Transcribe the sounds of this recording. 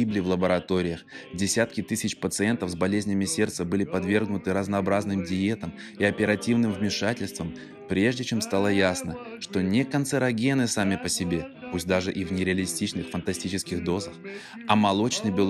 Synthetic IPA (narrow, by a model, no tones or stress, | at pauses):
iblʲɪvlˠəbəɾɐt̪o̞ɾʲɪjəxdʲɪsʲat̪̚kʲɪt̪ɨsʲɪt͡ɕpət̪sɨɛnt̪əfzbɐlʲezʲnʲɪmʲɪsʲe̞rt̪səbɨlʲɪpɐd̪vʲe̞rɡnʊt̪ɨɾəznɐːbɾaznɨmdʲɪet̪əm | iɐpʲɪɾɐtʲivnɨmvmʲɪʂatʲɪlʲst̪vəm | pɾʲe̞ʐdʲɪt͡ɕemst̪alˠəjasnəʂt̪o̞nʲɪkənsɨɾɐɡʲenɨsamʲɪpəsʲɪbʲe̞pusʲt̚ʲd̪aʐɨʔivnʲɪɾʲɪɐlʲɪsʲtʲit͡ɕnɨxfənt̪ɐsʲtʲit͡ɕɪskʲɪɣd̪o̞zəx | ɐmɐlˠo̞t͡ɕnɨjbʲɪlˠ